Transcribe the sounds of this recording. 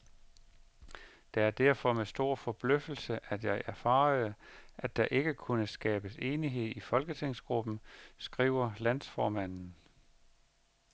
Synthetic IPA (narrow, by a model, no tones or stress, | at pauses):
d̥ɑ̈æɐd̥æɐ̰fɒ̽mesd̥o̝ɐ̰fɒ̽b̥løfl̩səʔæd̥jɑ̈ɪʔæɐfɑ̈ːð̩ˠʔæd̥ɑ̈ʔe̝ɡ̥əkʰunəsɡ̥ɛ̰ːb̥əse̝ːniɦe̝ð̰ˠifɒ̽lɡ̥ət͡sʰeŋ̰sɡ̥ʁub̥n̩sɡ̥ʁḭːʊ̰ɐlæn̰sfɒːmæn̰n̩